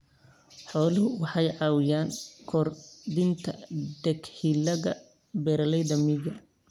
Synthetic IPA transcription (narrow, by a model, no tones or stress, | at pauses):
ħɔːlɪɦʊwɑħɑjʕɑːwɪjaːŋkʰɔrd̪ɪnt̪ʰɐ̰d̪ɛɡhilɐɣɐ | bɛːɾɐlɛjðɐmɪɡɐ